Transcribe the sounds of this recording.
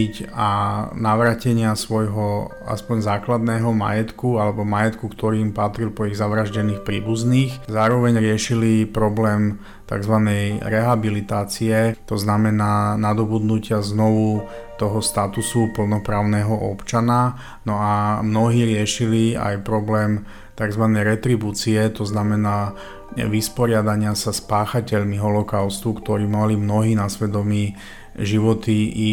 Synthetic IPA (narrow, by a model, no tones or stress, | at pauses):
icanaʋɾaːcɛɲɪasʋɔjɦɔa̰spɔɲzaːklad̪nɛːɦɔma̰jɛt̪kualɛbɔmajɛt̪kukt̪ɔɾiːmpat̪ɾilpɔiɣzaʋɾaʒɟɛniːxpɾiːbuzniːxzaːɾɔʋɛɲɾɪɛʃilipɾɔblɛːm | t̪a̰ɡzʋanɛjɾɛɦabilit̪aːt͡siɛt̪ɔznamɛnaːnad̪ɔbud̪nucɪaznɔʋu | t̪ɔɦɔst̪at̪usupl̩nɔpɾaːʊnɛːɦɔʔɔpt͡ʃana | nɔamnɔɦiːɾɪɛʃilia̰jpɾɔblɛːm | t̪aɡzʋanɛjɾɛt̪ɾibuːt͡siɛt̪ɔznamɛnaː | ʋispɔɾɪad̪aɲɪasaspaːxacɛʎmiɦɔlɔkaʊst̪ukt̪ɔɾiːmalimnɔɦiːnasʋɛd̪ɔmiː | ʒiʋɔt̪iʔi